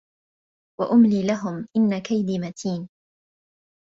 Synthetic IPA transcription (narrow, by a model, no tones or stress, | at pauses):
waʔʊmliːlaɦʊmʔɪnːakajd̪iːmat̪ʰiːn